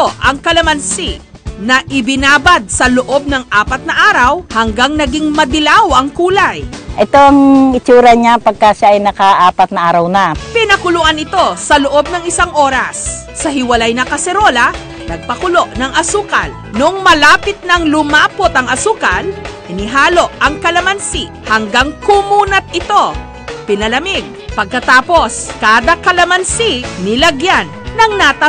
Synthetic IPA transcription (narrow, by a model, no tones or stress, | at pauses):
oʔɐŋkɐlɐmɐnsi | nɐʔɪbɪnaːbɐd̪̚sɐloʔo̞b̚nɐŋʔaːpɐt̪̚nɐʔaːɾɐwhɐŋɡaŋnɐɡiŋmɐd̪ɪlawɐŋkuːlɐjʔɛt̪oaŋɪt͡ʃuːɾɐɲapɐɡ̚kːaʃaːjnɐkaʔaːpɐt̪̚nɐʔaːɾɐwnapɪnɐkʊlʊʔanɪt̪o̞sɐloʔo̞b̚nɐŋɪsaŋʔoːɾɐsː | ɐɦɪwɐlajnɐkɐsɛɾo̞lɐ | nɐɡ̚pɐkʊlo̞ʔnɐŋʔɐsuːkɐ̰n | nʊŋmɐlaːpɪt̪̚nɐŋlʊmaːpot̪ɐŋɐsuːkɐn | ɪnɪɦaːlo̞ʔɐŋkɐlɐmɐnsi | hɐŋɡaŋkumuːnɐt̪̚ʔɪt̪o̞ | pɪnɐlɐmɪɡ̚pɐɡ̚kɐt̪aːpo̞skaːd̪ɐkɐlɐmɐnsinɪlɐɡjanːɐŋnat̪ɐ